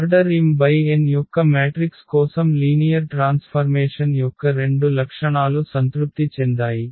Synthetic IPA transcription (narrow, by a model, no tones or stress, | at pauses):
ɐɾɖɐɾːiːmbɐjenjɔkːɐmaːʈɾikskɔːsɐmliːnijɐɾʈɾaːnspʰɐɾmeːʂɐnjɔkːɐɾe̞ɳɖulɐkʂɐɳaːlusɐnt̪ɾup̚t̪it͡ʃend̪aːji